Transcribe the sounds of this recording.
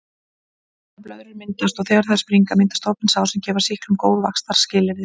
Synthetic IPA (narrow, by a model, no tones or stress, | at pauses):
aplœðɾɪɾmɪnt̪ast̪ɔɣθɛːɣaɾ̥θɛspɾiŋkamɪnt̪ast̪owpɪnsaːwsɛmcɛːvaɾ̥sihklʏmkoːwðvakst̪aɾ̥scɪːlɪɾðɪ